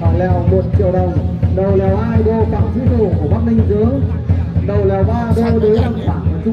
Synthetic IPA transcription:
aː˧˩lɛ˨˩wmo˨˩t̚t͡ɕḭ˧˨əwɗə˨˩w | ɗə˨˩wlɛ˨˩whaː˧jɓo˧ka̰ː˧˥˩wt̪ʰi˨˦t̪u˧˨˩kəɓaː˦˥k̚mï˧ŋ̟zəː˨˦ | ɗə˨˩wlaː˨˩wɓaː˧ɓo˧ɗə˨˦lə˨˩ŋfa̰ː˧˨˩n˨˩t͡ɕʊ˦

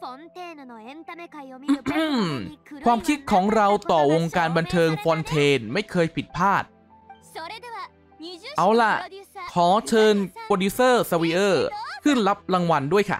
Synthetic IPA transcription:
mkwaː˧mkʰi˦˥t̪̚kʰɔː˩˦ŋɾa˧wt̪ɔː˨˩wo˧ŋkaː˧nba˧nt̪ʰɤː˧ŋfɔː˧nt̪ʰeː˧nma˥˩jkʰɤː˧jpʰi˨˩t̪̚pʰaː˥˩t̪̚ | ʔa˨˩wla˧˩ʔkʰɔː˩˦t͡ɕʰɤː˧npoː˧duː˦˥sɤː˥˩sa˧wiː˧ʔɤː˥˩kʰɯ˥˩nla˦˥p̚ɾa˧ŋwa˧ndu˥˩əjkʰa̰˥˩

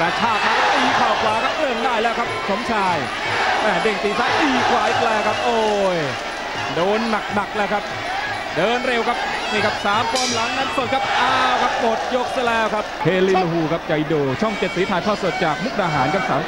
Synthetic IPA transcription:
kɛː˧˩t͡ɕʰaː˧˩k̪̚ha˧˥˩ʔiː˧˩kʰaː˨˩wkʰwaː˨˦kʰa˦˥p̚lɤ˥˧˩əŋdaː˥˩jlɛː˦˥wkʰa˦˥p̚pʰo˨˦mt͡ɕʰaː˧˩j | t̪ɛː˧˩de˧˩ŋt̪iː˨˩saː˦˥ʔiː˨˩kʰwaː˨˦ʔi˨˧˩k̚lɛː˧˩kʰa˦˥p̚ʔoː˧˩j | doː˧nːa˨˩k̚na˨˩k̚lɛː˦˥wkʰa˦˥p̚ | dɤː˧nɾe˧wkʰa˦˥p̚ | miː˧˩ka˦˩p̚saː˨˦mkʰoː˧mla˨˦ŋna˦˥nso˨˩t̪̚kʰa˦˥p̚ʔaː˧˩wkʰa˦˥p̚mo˨˩t̪̚jo˦˥k̚sa˧˩lɛː˦˥wkʰa˦˥p̚hʰeː˧liː˧lu˧ɦuː˧kʰa˦˥p̚t͡ɕa˧jdoː˧t͡ɕʰɔ˥˩ŋt͡ɕe˨t̪̚siː˨˦tʰaː˧jkʰaː˥˩su˨˩ət̪̚t͡ɕaː˨˩k̚nu˦˥˩k̚ʔaː˧˩ɦaː˩˦nkʰa˦˩p̚saː˨˦m

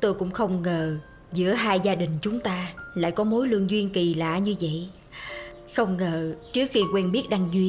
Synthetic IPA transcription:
t̪o˧jkʊ̰˧˥ŋ͡mxə˧wŋ͡mŋəː˨˩ | zɨ̰˧˥əɦaː˧jzaː˧ɗï˨˩ŋ̟t͡ɕʊ˨˦ŋ͡mt̪aː˧la̰ː˧˨jkɔ˨˦mo˨˦jlɨ˧əŋzwi˧ənki˨˩la̰ː˧˩ɲɨ˧və̰˧˨j | xə˧wŋ͡mŋəː˨˩t͡ɕɨ˦˥ək̚xi˧kwɛ˧nɓi˦˥ət̚ɗa˧ŋzwi˧ən

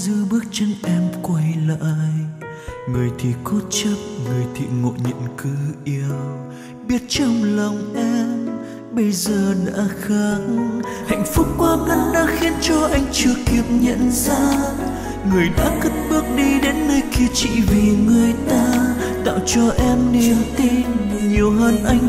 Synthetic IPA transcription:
zɨ˧ɓɨ˦˥ək̚t͡ɕə˧nʔɛ˧mkwa˧jla̰ː˧˨˧j | ŋɨ˨˩əjt̪ʰi˨˩ko˦˥t̚t͡ɕə˦˥t̚ŋɨ˨˩əjt̪ʰḭ˨˩ŋo̰˧˨ɲə̰˧˨nkɨ˨˦ʔi˧əw | ɓi˦˥ət̚t͡ɕə˧wŋ͡mlə˨˩wŋ͡mʔɛ˧m | ɓə˧jzəː˨˩ɗa̰ː˧˥xə˧˦nha̰˧˨jŋ̟fʊ˦˥k͡p̚kwaː˧ŋə˧nɗaː˧˥xi˧ənt͡ɕɔ˧ʔa˧jŋ̟t͡ɕɨ˨˩əkːi˨˩əp̚ɲə̰˧˨nzaː˧˦˥ | ŋɨ˨˩əjɗa̰ː˧˥kə˦˥t̚ɓɨ˦˥ək̚ɗi˧ɗe˨˦nːəː˧jki˧ət͡ɕḭ˧˨vi˨˩ŋɨ˨˩əjt̪aː˧ | t̪a̰ː˧˨wt͡ɕɔ˧ʔɛ˧mne˨˩mt̪i˧n | ɲi˨˩əwɦəː˧nʔa˧jŋ̟

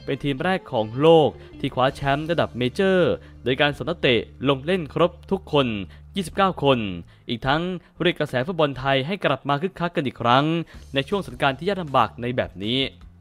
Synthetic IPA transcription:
pe˧nt̪ʰiː˧mɾɛː˥˩kʰːɔː˩˦ŋloː˥˩k̚ | t̪ʰiː˥˩kʰwaː˨˦˥t͡ɕʰɛ˦˥mɾa˧da˨˩p̚meː˧t͡ɕɤː˥˩ | doː˧jkaː˧nso˩˦nʰa˧˥t̪i˨˩lo˧ŋle˥˩nkʰɾo˦˥p̚t̪ʰu˦˥kʰːo˧njiː˥˩si˨˩p̚kaː˥˩wkʰo˧n | ʔiː˨˩k̚t̪ʰa˦˥ŋpɾə˩kːɾa˧sɛː˩˦fu˦˥t̚bɔ˧nt̪ʰa˧jɦa˥˩jkla˨˩p̚maː˧kʰɯ˦˥˩kʰːa˦˥kːa˧nʔiː˨˩kʰɾa˦˥ŋna˧jt͡ɕʰu˥˩əŋso˩˦nkaː˧nt̪ʰiː˥˩a˥˩la˧mba̰ː˨˩k̚na˧jbɛ̰ː˨˩p̚niː˦˥

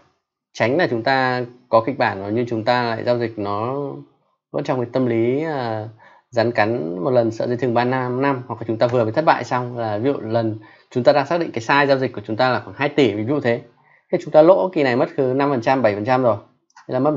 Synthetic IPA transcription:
t͡ɕa˨˦ŋ̟laː˨˩t͡ɕʊ˨˦ŋ͡mt̪aː˧kɔ˨˦kï˨˩k̚ɓaː˧˩nno˨˦ɲɨ˧t͡ɕʊ˨˦ŋ͡mt̪aː˧la̰ː˧˨jzaː˧wzï˨˩k̟̚nɔ˨˦ | və̰˧˥nt͡ɕɔ˧wŋ͡mki˨˦jt̪ə˧mli˨˦əː˨˩ | za˨˦nka˨˦jŋ̟mo˨˩t̚lə˨˩nsə̰˧˨zə˨˦t̪ʰŋ͡mɓaː˧naː˧mna˧mhwa˨˩k̚a˨˩t͡ɕʊ˨˦ŋ͡mt̪aː˧vɨ˨˩əbḭ˨t̪ʰt̚ɓa̰ː˧˨jsa˧wŋ͡mlaː˨˩vḭ˧ə̰˧˨lə˨˩n | t͡ɕʊ˨˦ŋ͡mt̪aː˧ɗaː˧ŋsaː˦˥k̚ɗḭ˧˨ŋ̟kːa˨˦jsaː˧jzaː˧wzi˨˩k̚kːə˩t͡ɕʊ˨˦ŋ͡mt̪aː˧laː˨˩xwa˧˩nɦaː˧jt̪i˧˩vi˨˦zṵ˧˨t̪ʰe˨˦ | xi˧˩t͡ɕʊ˨˦ŋ͡mt̪aː˧lo̰˧˥ki˨˩na˨˩jmə˦˥t̚kɨ˨˦na˧mfə˨˩nt͡ɕa˧mɓə˧˩jfə˨˩t͡ɕa˧mzo˨˩j | laː˨˩mə˦˥t̚

